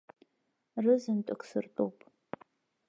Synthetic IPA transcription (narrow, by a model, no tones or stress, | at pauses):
rɨzɨntʷʼɨkʷsɨrtʼowpʼʰ